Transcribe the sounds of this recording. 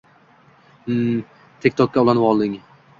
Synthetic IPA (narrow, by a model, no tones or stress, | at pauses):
t̪ʰekʲt̪ʰɒkʲːaʊlˠanvɒlˠd̪ɪŋ